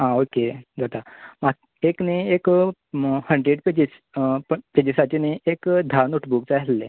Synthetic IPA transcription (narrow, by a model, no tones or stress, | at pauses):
ɦãoked͡zat̪amak | ekneek | həɳɖɾeɖped͡ʑis | ped͡ʑisat͡ɕeneekd̪ʱanoʈbukt͡sajlːe